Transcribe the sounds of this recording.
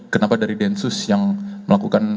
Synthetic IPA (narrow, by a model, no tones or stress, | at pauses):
kənapadaɾidɛnsʊsjaŋməlakukan